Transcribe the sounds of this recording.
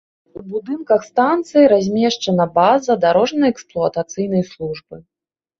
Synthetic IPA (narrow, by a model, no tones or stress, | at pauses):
ubud̪ɨnkɐxst̪ant̪sɨjiɾazʲmʲɛʂt͡ʂɐnɐbazɐd̪aɾɔʐnɐjɛksplˠuɐt̪at̪sɨjnɐjslˠuʐbɨ